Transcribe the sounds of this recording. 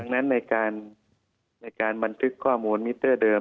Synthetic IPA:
a˧ŋna˦˥nːa˧˩jkaː˧nː | a˧˩jkaː˨˧nba˨˧nt̪ʰɯ˦˥kʰːɔː˥˩muː˨˧nmi˦˥t̪ːɤː˥˩dɤː˧

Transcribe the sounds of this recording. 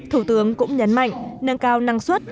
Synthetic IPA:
t̪ʰu˧˩t̪ɨ˨˦əŋkʊ̰˧˥ŋ͡mɲə˨˦nma̰˧˨jŋ̟nəː˧nkaː˧wna˧ŋswə˦˥t̚

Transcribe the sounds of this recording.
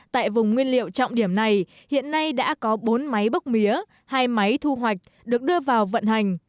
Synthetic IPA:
t̪a̰ː˧˨jvʊ˨˩ŋ͡mŋwi˧ənlḭ˧˨əwt͡ɕɔ̰˧wŋ͡mɗi˧˩əmna˨˩j | hḭ˧˨ənːa˧jɗa̰ː˧˥kɔ˨˦ɓo˨˦nma˨˦jɓə˦˥k͡p̚mi˨˦ə | haː˧jma˨˦jt̪ʰu˧ɦwa˨˩jk̟̚ | ɗɨ˨˩ək̚ɗɨ˧əvaː˨˩wvə̰˧˨nɦa˨˩jŋ̟

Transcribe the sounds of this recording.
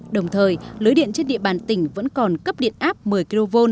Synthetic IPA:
ɗə˨˩wŋ͡mt̪ʰəː˨˩jlɨː˨˦jɗḭ˧˨ənt͡ɕe˧nɗḭ˧˨əɓaː˨˩nt̪ï˧˩ŋ̟və̰˧˥nkɔ˨˩nkə˦˥p̚ɗḭ˧˨ənʔaː˦˥p̚mɨ˨˩əjki˧lo˧vo˧n

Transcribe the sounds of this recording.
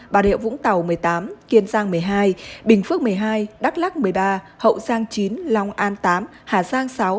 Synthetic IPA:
ɓaː˨˩ɗḭ˧˨əwvʊ̰˧˥ŋt̪a˨˩wmɨ˨˩əjt̪aː˨˦mki˧ənzaː˧ŋmɨ˨˩əjɦaː˧jɓï˨˩ŋ̟fɨ˦˥ək̚mɨ˨˩əjɦaː˧jɗa˦˥k̚la˦˥k̚mɨ˨˩əjɓaː˧ | hə̰˧˨wzaː˧ŋt͡ɕi˨˦nlɔ˧wŋ͡mʔaː˧nt̪aː˨˦m | haː˨˩zaː˧ŋsa˨˦w

